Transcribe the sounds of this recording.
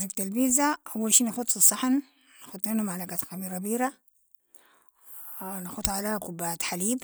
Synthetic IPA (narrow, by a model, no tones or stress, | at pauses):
zik̚t̪albiːzaʔawːalʃiːnaxʊt̪ˤsisˤːɑħan | naxʊd̪ˤmanumaʕlaɡat̪xamiːɾˤabiːɾa | naxut̪ʕalaːhkubaːt̪ħaliːb